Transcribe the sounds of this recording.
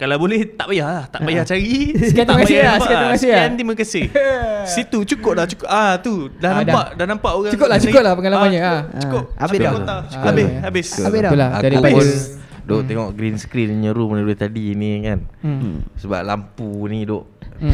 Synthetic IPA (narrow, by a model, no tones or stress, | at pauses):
kalawbolɛht̪aʔbajahlaht̪aʔbajaht͡ʃaɾiskat̪amkaaasaməkasɪaant̪imak̬əsehsit̪ut͡ʃukʊp̚laht͡ʃu̥kʊʔat̪udanamdaaʔdahnampaʔoɣãt͡ʃukʊp̚lat͡ʃukʊp̚lahpəŋanlamaɲəaukʊabɪaau̥kabɪabɪsabɪdaulahaada | doʔt̪eŋɔʔɡɾinsə̥kɾinɲəɾumənəluht̪adinikan | səba̰p̚la̰mpunidoʔ